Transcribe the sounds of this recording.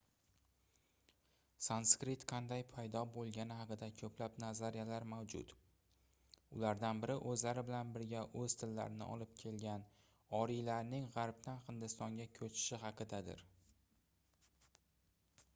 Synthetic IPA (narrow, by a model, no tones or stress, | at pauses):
sanskɾit̪qʰɑnd̪ajpʰajd̪ɒbolˠɡʲanɪɦɑqɨd̪akʲʰɵplapnazaɾijalaɾmawd͡ʒʊ̰t̪ | ʊ̰laɾd̪anbɪɾɪʔɵzlaɾɪbɪlanbɪɾɡʲaʔɵzt̪ʰɪlːa̰ɾɪnɪ̰ʔɒ̰lɪp̚kʲʰe̞lɡʲan | ɒɾilaɾnɪŋʁɑɾp̚t̪anχɨnd̪ɪst̪ɒŋɡʲakʲʰɵt͡ʃʰɪ̥ʃɪɦɑqɨd̪ad̪ɪ̰ɾ